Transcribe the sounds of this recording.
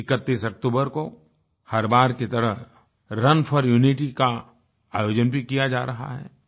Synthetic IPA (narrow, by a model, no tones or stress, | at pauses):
ɪkət̪ːiːsɐk̚t̪uːbəɾko | hɐɾbaːɾket̪ɐɾəɦ | ɾɐnfʰɔɾjuːniʈika | a̰ːjoːd͡ʒənbʱikijad͡ʒa̰ːɾɐɦa̰ɦɛ̰ː